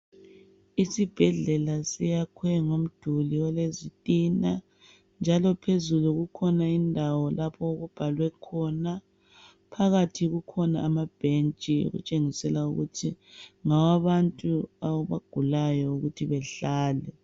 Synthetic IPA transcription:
isib̥ʱɛɮɛlasijakʰwɛŋom̩d̥ʱuliwɛlezitʼina | nd͡ʒʱalɔpʰezuluɣukʰɔnaindʱawɔlapʰɔoɣub̥ʱalwɛkʰɔna | pʰaɣatʰiɣukʰɔna̰ːmab̥ʱent͡ʃʼio̰ɣṵt͡ʃʼeŋisɛlauɣṵtʰiŋawaβantʼuaɣuβa̰ɡ̥ʱulajɔuɣutʰiβɛɬaːlɛ

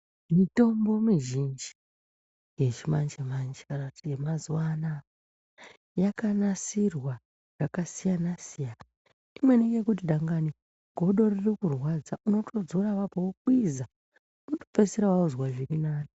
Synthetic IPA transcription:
mito̞mbo̞miʒind͡ʒi | je̞ʐimand͡ʒemand͡ʒekanakutijemazuwana | jakanasirwa | r̥akasijanasijana | imweneŋɡe̞kut̬iɗaŋɡani | ɡ̥ʱo̞ɗo̞ririkurwad͡zaʔuno̞tʰo̞d͡zoɾaʋapowokwiza | unoto̥peseɾawauzwaʐirinaːni

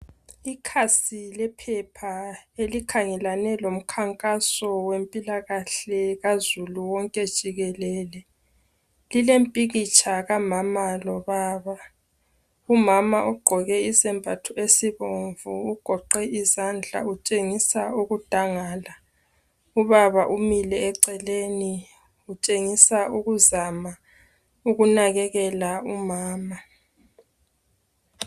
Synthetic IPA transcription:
ikʰasilɛpʰɛpʰaelikʰaŋɛlanɛlom̩kʰaŋkʼasɔwempʼilaɣaɬɛɣazuluwɔŋkʼɛd̥ʒ̥ʱiɣɛlɛːlɛ | lilempʼiɣit͡ʃʰʼaɣamamalɔβaːβa | umamaʔuɡ͡ǃʱɔɣɛizɛmbʱatʰuesiβoɱvuːɡ̥ʱɔǃɛizand͡ɮʱa̰ut͡ʃʼeŋisauɣud̥ʱaŋaːla | uβaβaʔumilɛːǀɛleni | ut͡ʃʼeŋisauɣuzama | uɣunaɣɛɣɛlaumaːma

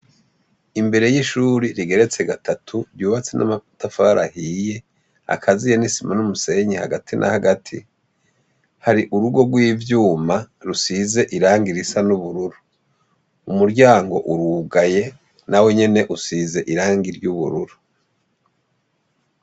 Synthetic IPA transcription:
imbe̞ɾe̞jiʃuːɾiɾiɡe̞ɾe̞t͡se̞ɡatatʰuɾjuːβat͡se̞nʔa̰mafu̥tafaɾa̰hije̞ | a̰kʰazijenisimanumuse̞ɲeha̰ɡatʰinʔa̰haɡatʰi | haɾiʔuɾuɡo̞ɡwiːvjuːma | ɾusize̞ʔiɾaːŋɡiɾisanuβuɾuɾu | umuɾɟaːŋɡo̞̰ʔuɾuɡaje̞ | nawe̞ɲe̞ne̞ʔusize̞ʔiɾaːŋɡiɾɟuβṵɾuɾu

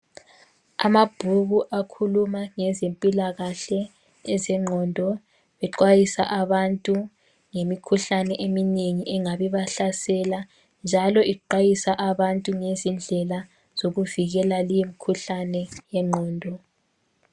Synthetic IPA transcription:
a̰mab̥ʱuɣuʔakʰulumaŋɛzempʼilaɣaɬɛ | ɛzɛŋ͡ǃʱɔːndʱɔ | βɛǃwajisaʔaβantʼu | ŋemikʰuɬanɛʔemineŋiʔɛŋaβiβaɬasɛla | nd͡ʒʱalɔiǃwajisaʔaβantʼuŋezind͡ɮʱɛla | z̥oɣuviɣɛlalijemikʰuɬanɛjɛŋ͡ǃʱɔːndʱɔ

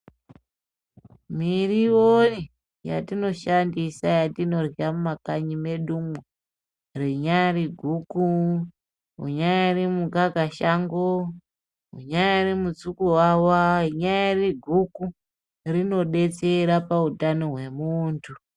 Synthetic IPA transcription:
miriwoni | ja̰tino̞ʃandisajatino̞riamumakaɲime̞ɗumwu | riɲaɾiɡʱuku | ɦṵɲajairimuɡaɡʱaʃaŋɡo | ɦṵɲajairimut͡sukuwawaiɲajariɡʱuku | rino̞ɗe̞t͡se̞ɾapautano̞ɦwe̞muːntʰu

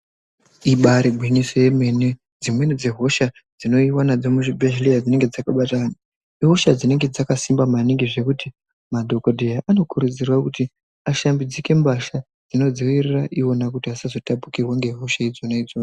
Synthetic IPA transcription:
iɓaɾiɡʱwinisoje̞me̞ne | d͡zimwe̞nid͡zeɦo̞ʃa | d͡zino̞iwanad͡zomuʐibʱeʒlijad͡zine̞ŋɡe̞d͡zakaɓatana | iɦo̞ʃad͡zine̞ŋɡe̞d͡zakasimbamaniŋɡiʐe̞kuti | madʱo̞ko̞dʱejaʔano̞kuɾud͡zirwakuti | aʃambid͡zike̞mbaʃa | d͡zino̞d͡ziwiriraʔio̞nakutiasazo̞tapu̥kirwaŋɡe̞ɦo̞ʃaid͡zo̞naid͡zoːna

